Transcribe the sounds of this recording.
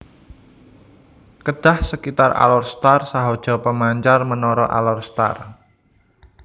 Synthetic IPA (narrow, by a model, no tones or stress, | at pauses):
kəd̥a̤hsəkit̪ara̰lɔrst̪arsaɦod̥ʒ̥ɔ̤pəmaɲt͡ʃarmənɔɾɔʔa̰lɔrst̪a̰r